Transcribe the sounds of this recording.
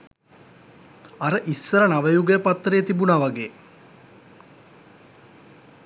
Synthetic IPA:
aɾəʔisːəɾənaʋəjuɡəjəpat̪ːɾejːt̪ibunaʋaɡeː

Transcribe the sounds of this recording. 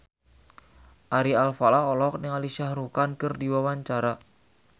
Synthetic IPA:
ʔaɾialfalaolɔk̚nɪŋaliʃahɾukankɨrdiwawaɲt͡ʃaɾa

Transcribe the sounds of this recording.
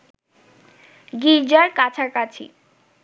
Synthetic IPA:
ɡid͡ʑaɾkat͡ɕʰaɾkat͡ɕʰḭ

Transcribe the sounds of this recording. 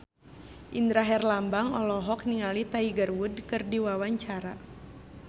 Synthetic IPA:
ʔind̪ɾaɦɛrlambaŋɔlɔɦɔk̚niŋalit̪aiɡərwudkɨrdiwawaɲt͡ʃaɾa

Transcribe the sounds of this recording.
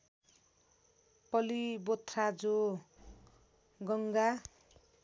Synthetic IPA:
pʌlibot̪ʰrad͡zo | ɡʌŋɡa

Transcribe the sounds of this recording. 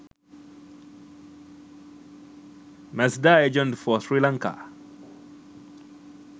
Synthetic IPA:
mɛsdaed͡ʒɛ̃ntfɔsɹilaŋka̰

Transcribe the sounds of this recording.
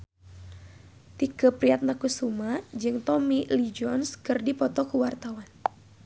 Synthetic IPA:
t̪ikəpɾiat̪̚nakusumad͡ʒɨŋt̪ɔmilid͡ʒɔnskɨrdipɔt̪ɔkəwart̪awan

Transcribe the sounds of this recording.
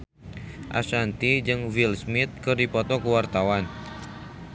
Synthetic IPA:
ʔa̰sant̪id͡ʒɨŋvilsmit̪̚kɨrdipɔt̪ɔkəwart̪awan

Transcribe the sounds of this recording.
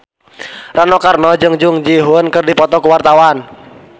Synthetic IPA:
ranɔkarnɔd͡ʒɨŋd͡ʒʊŋd͡ʒiɦʊnkɨrdipɔt̪ɔkuwart̪awan

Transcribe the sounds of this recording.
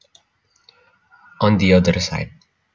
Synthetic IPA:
ɔ̃nd̪iʌd̪əɾsa̰ɪd̚

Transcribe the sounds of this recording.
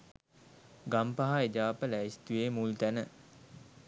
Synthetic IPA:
ɡampaɦaed͡ʒaːpəlæist̪ujemult̪ænə

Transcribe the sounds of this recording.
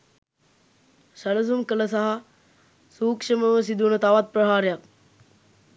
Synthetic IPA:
ʃələs̬umkələsaɦa | suːkʂəməʋəs̬id̪unət̪aʋat̪̚prəɦaːɾejak̚

